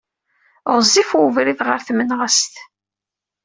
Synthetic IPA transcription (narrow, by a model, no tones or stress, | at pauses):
ʁzˤifuvɾiðʁəɾθmənʁast̪